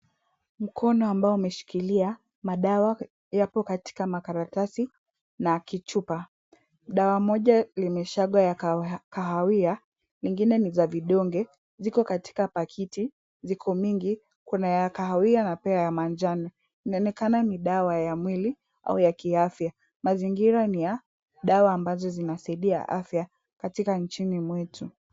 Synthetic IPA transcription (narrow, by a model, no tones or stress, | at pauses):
m̩kʰɔnɔambaɔumɛʃi̥kilia | maɗawa | japɔkati̥kamakaɾatasi | nakit͡ʃupa | ɗawamɔʄalimɛʃaɡwajakaɦawia | liŋɡinɛnizaviɗɔŋɡɛ | zikɔkati̥kapakʰiti | zikʰɔmiŋɡi | kunajakaɦawianapɛajamand͡ʒani | inaɔnɛkananiɗawajamwili | a̰ujakiafja | maziŋɡiɾanija | ɗawaːmbazɔzinasaiɗia̰ʔa̰fja | katikant͡ʃinimwɛtʰu